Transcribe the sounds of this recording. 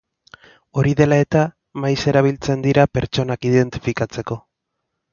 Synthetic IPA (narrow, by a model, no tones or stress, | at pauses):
o̞ɾiðe̞lae̞t̪a | majse̞ɾaβ̞ilt͡se̞nd̪iɾape̞ɾt͡so̞nakiðe̞nt̪i̥fikat͡se̞ko̞